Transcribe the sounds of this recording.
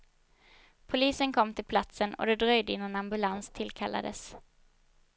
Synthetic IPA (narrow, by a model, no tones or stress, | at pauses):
pʰʊliːsənkʰɔmːt̪ʰɪlpʰlat̪sənɔ̰d̪ɛd̪ɾœjd̪əɪnːanambɵlanst̪ʰɪlkʰalːa̰d̪ə̰s